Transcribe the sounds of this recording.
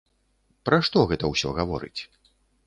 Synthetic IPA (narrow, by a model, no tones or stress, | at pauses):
pɾaʂt̪ɔɣɛt̪ɐwsʲɔɣavɔ̰ɾɨ̰t͡sʲ